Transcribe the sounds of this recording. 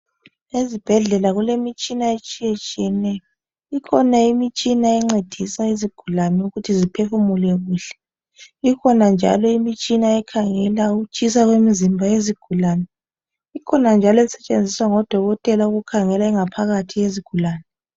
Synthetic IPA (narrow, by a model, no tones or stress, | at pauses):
ezib̥ʱɛɮɛlaɣulemit͡ʃʼinaet͡ʃʼijet͡ʃʼijɛnɛjɔ | ikʰɔnaimit͡ʃʼinaɛŋ͡ǀed̥ʱisaiziɡ̥ʱulanɛuɣutʰizipʰefumulɛɣuːɬɛ̥ | ikʰɔnand͡ʒʱa̰lɔimit͡ʃʼinaɛkʰaŋɛlauɣut͡ʃʼisaɣwemizimbʱaeziɡ̥ʱulaːnɛ | ikʰɔnand͡ʒʱalɔisɛt͡ʃʼend͡zʱiswaŋɔd̥ʱɔɣɔtʼɛlauɣukʰaŋɛlaɛŋapʰaɣatʰijeziɡ̥ʱulaːnɛ